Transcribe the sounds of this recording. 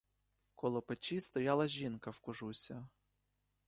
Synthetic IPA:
kɔlˠɔpet͡ʃist̪ɔjɑlˠɐʒʲinkɐwkʊʒusʲɐ

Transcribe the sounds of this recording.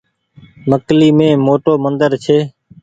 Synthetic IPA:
məkliːmẽːmoːʈoːmənd̪əɾt͡ʃʰeː

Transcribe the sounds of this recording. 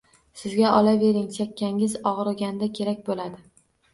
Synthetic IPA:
sɪzɡʲaʔɒlave̞ɾɪŋsakʲʰːaŋɪzɒʁɾɪɡʲand̪akʲʰe̞ɾakʲbolad̪ɪ

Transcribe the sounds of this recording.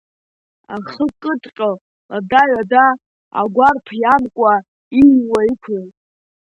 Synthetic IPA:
a̰χəkʼɨtʼqʲʼo | adaɥada | a̰ɡʷarpʰjamkʷʼa | ijwaikʷʰejtʼ

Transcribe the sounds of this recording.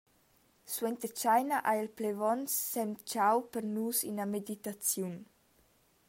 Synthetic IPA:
swɛnt̪ət͡ʃajnaʔajɛlplevɔnsːɛmt͡ʃawpəɾnusḭnamed̪it̪at͡sjun

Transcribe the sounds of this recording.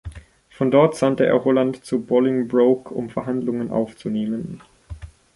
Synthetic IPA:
fɔndɔɐtz̥antəʔḛːɐɦolantt͡subɔlɪŋbʁoʊkʰʊ̰mfɛɐɦandlʊŋənʔa̰ʊft͡suneːmən

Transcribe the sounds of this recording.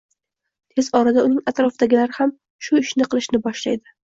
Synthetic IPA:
t̪ʰe̞zɒɾad̪aʊnɪŋat̪ɾɒfd̪aɡʲɪlaɾɪham | ʃʊɪʃnɪqʰɨlˠɪʃnɪbɒʃlajd̪ɪ

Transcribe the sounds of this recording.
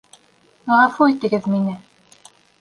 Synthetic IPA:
ʁɑfuit̪ɘ̆ɡɘðminɘ

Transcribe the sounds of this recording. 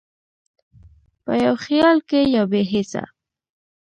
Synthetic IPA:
pajawχɪjɑlkejawbeɦɪsa̰

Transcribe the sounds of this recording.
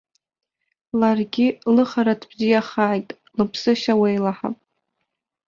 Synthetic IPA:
larɡʲɪlɨχaɾatʰbzijaχaːjtʼ | lɨpʰsɨʃawejlaħa̰pʼ

